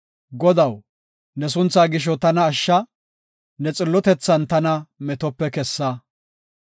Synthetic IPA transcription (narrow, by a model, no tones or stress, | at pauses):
ɡɔd̪ɐw | nɛs̬ʊnt͡sːaːɡɪʃ̬ɔt̪ɐnɐːʃːɐ | nɛt͡sʼɪlːɔt̪ɛt͡sːɐnt̪ɐnɐmɛt̪ɔpːɛkɛsːɐ